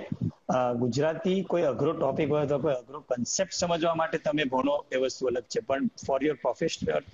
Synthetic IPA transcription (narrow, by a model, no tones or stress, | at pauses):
ɡud͡ʒɾat̪ikoiəɡʱɾoʈɔpikɦojot̪okojəɡʱɾokənsep̚ʈsəməd͡ʒʋamaʈet̪əmebʱoñoeʋəst̪ʰuələɡ̚t͡ʃʰepəɳfɔɾjoɾpɾɔfeʃəɾ